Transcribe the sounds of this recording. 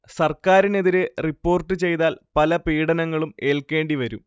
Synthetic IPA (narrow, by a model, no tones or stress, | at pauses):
sɐrkaːɾine̞ðiɾe̞ripːo̞ːrʈːɨt͡ɕe̞jt̪aːlpɐlɐpiːɽɐnɐŋːɐɭume̞ːlke̞ːɳɖiʋɐɾṵm